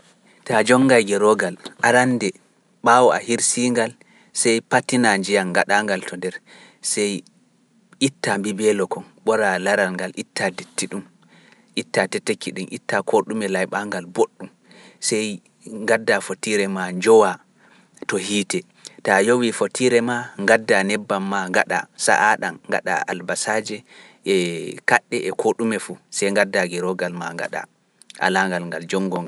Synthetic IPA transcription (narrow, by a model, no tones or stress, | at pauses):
tad͡ʒɔŋːɡajɡɛɾɔɡalʔaɾandɛ | ɓaːwɔa̰hiɾsiːŋɡal | sɛjpatːinaɲd͡ʒijanɡaɗaːŋɡaltʰɔndɛɾ | sɛj | ʔitːambibɛlɔkɔnɓɔɾalaɾalŋɡalʔitːadetːiɗum | ʔitːatɛtːekːiɗumʔḭtːakʰoɗumɛlajɓaŋɡalboɗːum | sɛj | ŋɡadːafotiɾɛmaɲd͡ʒɔwa | tɔhiːtɛ | tajowifotʰiɾɛmaŋɡadːanɛbːamːaŋɡaɗa̰sa̰ʔaɗanŋɡa̰ɗa̰a̰lbasad͡ʒɛ | ʔɛkaɗːɛʔɛkʰoɗumɛfusɛjŋɡadːaɡɛɾɔɡalmaŋɡa̰ɗa̰ | ʔa̰laŋɡalŋɡald͡ʒɔŋɡɔŋ